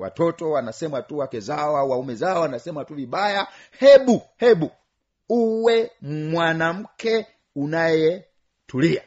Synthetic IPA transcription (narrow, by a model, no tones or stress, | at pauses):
wa̰tɔtɔwanasɛmatuwakɛzawawaumɛzaɔanasɛmatuviɓajahɛɓuhɛɓu | uwɛm̩mwanam̩kɛ | unajɛ | tulia̰